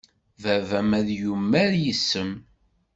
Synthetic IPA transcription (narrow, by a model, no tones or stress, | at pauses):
vævæmæðjumːæɾjəsːəm